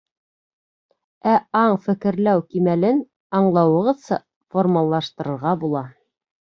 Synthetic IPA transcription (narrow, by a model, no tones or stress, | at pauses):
æɑɴfɘ̆kɘ̆ɾlæwkimælɘn | ɑɴlˠɑwɤ̆ʁɤðsɑ | formɑlˠːɑʃt̪ɤ̆ɾɤ̆ɾʁɑbulˠɑ